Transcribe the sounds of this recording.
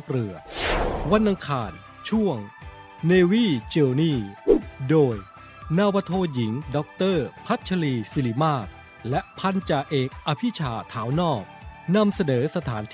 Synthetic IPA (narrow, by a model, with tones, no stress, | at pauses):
p̚ɾɯ˨˩ɐwa˧nʔa˧ŋkʰaː˧n | t͡ɕʰu˥˩əŋ | neː˧wiː˥˩t͡ɕeː˧wniː˥˩doː˧j | naː˧wa˧t̪ʰoː˧ji˩˦ŋdɔ˦˥k̚t̪ɤː˥˩pʰa˦˥t̪̚t͡ɕʰa˧liː˧si˧˩li˨˩˦maː˥˩k̚ | lɛ˦˥ʔpʰa˧nt͡ɕaː˨˩kʔeː˨˩k̚ʔa˧pʰi˦˥t͡ɕʰaː˩t̪ʰaː˩˦wnɔː˥˩k̚na˧msa˧nɤː˩˦sa˧t̪ʰaː˩˦nt̪ʰ